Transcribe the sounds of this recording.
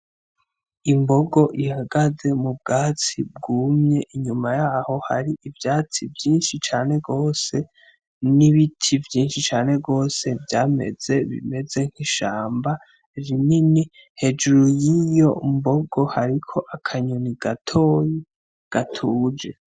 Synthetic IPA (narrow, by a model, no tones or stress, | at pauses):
imbo̞ɡo̞ʔihaɡaze̞mub̚ɡaːt͡sib̚ɡuːmɲe̞ʔiɲumajaːho̞ha̰ɾiʔivjaːt͡sivjiːnʃit͡ʃaːne̞ɡo̞ːse̞ | niβitʰivjiːnʃit͡ʃaːne̞ɡo̞ːse̞vjaːme̞̰z̥e̞βḭme̞ze̞ŋ̥hiʃaːmba | ɾinini | he̞d͡ʒuɾujijo̞mbo̞ɡo̞haɾikʰo̞ʔakʰaɲoniɡ̥atʰo̞ːji | ɡ̥atʰuːd͡ʒe̞